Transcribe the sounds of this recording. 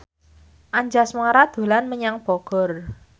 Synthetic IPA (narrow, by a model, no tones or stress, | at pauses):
ʔaɲd͡ʒasmaɾad̪̥o̤lanməɲaŋb̥ɔɡ̥ɔ̤r